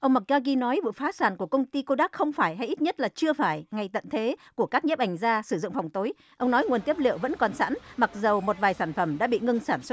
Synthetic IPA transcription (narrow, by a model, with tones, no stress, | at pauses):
ʔə˧wŋ͡mma˨˩k̚ɣaː˧ɣi˧nɔ˨˦jvɨ̰˧˨faː˨˦saː˧˩nku˧˩əkə˧wŋ͡mt̪i˧ko˧ɗaː˦˥k̚xə˧wŋ͡mfaː˧˩jɦa˧jʔi˦˥t̚ɲə˦˥t̚laː˨˩t͡ɕɨ˧əfaː˧˩jŋa˨˩jt̪ə̰˧˨nt̪ʰe˨˦ku˧˩əkaː˦˥k̚ɲə˦˥p̚ʔa˨˩ŋ̟zaː˧sɨ˧˩zʊ̰˧˨ŋ͡mfa˨˩wŋ͡mt̪o˨˦j | ʔə˧wŋ͡mnɔ˨˦jŋ˨˩ənt̪i˦˥əp̚lḭ˧˨wvə̰˧˥nkɔ˨˩nsa̰ː˧˥nma˨˩k̚zə˨˩wmo˨˩t̚vaː˨˩jsaː˧˩nfə˧˩mɗa̰ː˧˥ɓḭ˧˨ŋɨ˧ŋsaː˧˩nswə˦˥